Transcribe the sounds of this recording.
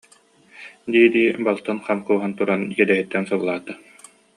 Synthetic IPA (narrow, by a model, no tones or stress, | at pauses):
d̪iːd̪iːbalˠt̪ɯnχamkuːɦant̪uɾankɛd̪ɛɦit̪ːɛnsɯbɯlˠaːt̪a